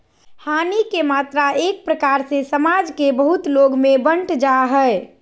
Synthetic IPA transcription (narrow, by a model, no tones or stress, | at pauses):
hanikemat̪ɾaek̚pɾəkaɾsesəmad͡ʒkebəɦut̪loɡmebə̃ɳʈʰd͡ʒaɦəe